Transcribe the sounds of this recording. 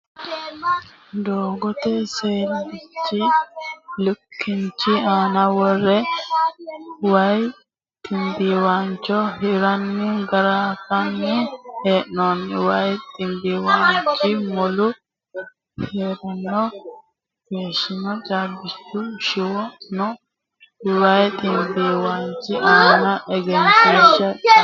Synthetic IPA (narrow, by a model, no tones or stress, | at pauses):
d̪oːɡɔt̪ɛseːldɪt͡ʃːɪ | lʊkʰːɪnt͡ʃːɪaːnɐwɔrːɛ | wɐj | t̪ʼɪmbiwaːnt͡ʃːɔhɪɾɐnːɪɡɐɾaːfɐnːɪeːʔnɔnwɐjt̪ʼɪnb̪iwaːnt͡ʃːɪmɔlʊ | heːɾɛnːɔ | ɡ̥eːʃːɪnɔt͡ʃʼaːbːɪt͡ʃːʊʃɪwɔnɔ | wɐjt̪ʼɪnd̪iwant͡ʃːɪʔaːnɐʔɛɡɛnseʃɐ